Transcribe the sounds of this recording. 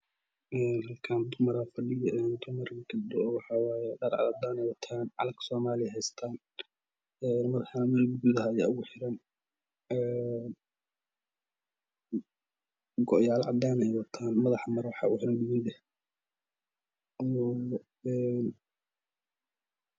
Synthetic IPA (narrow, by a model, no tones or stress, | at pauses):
ʔɛːnɦɐlkʰaːnd̪ʊmɐɾafɐɖɪjɐɛːnd̪ʊmɐrɡɐd̪ɔɔwɑħɑwɑːjɛɖɐɾʕɑ̰ɑd̪aːnɛjwɑt̪ʰaːnʕɑ̰lɐɡsɔːmaːlɪɛɦɛjst̪ʰaːn | ɛːnmɐðħɑnmɛlɡʊɡuðɐɦaja̰ːʊɣʊħɪɾɐn | ɛːn | ɡɔʔjaːlʕɑ̰d̪aːnɛjwɐt̪ʰaːnmɐðɑħmɐɾwɑħɑ̰ːʊħɪɾɐd̪ɪwɪnd̪ɛh | ɔː | ɛːn